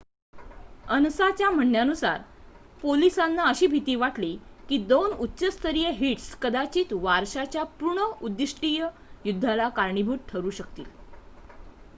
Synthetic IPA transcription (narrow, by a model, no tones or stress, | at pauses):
ənsat͡ɕjam̤əɳːjanusa̰ɾpolisanːaəɕiːbʱit̪iːʋaʈlikiːd̪onutːɕəst̪ʰəɾijeɦiʈskəd̪at͡ɕiːt̪ʋaɾɕat͡ɕjapuɳəud̪ːiʂʈijə | jud̪ʱːalakaɾɳibʱuːʈ̚ʈʰəɾuːɕəkt̪ḭːl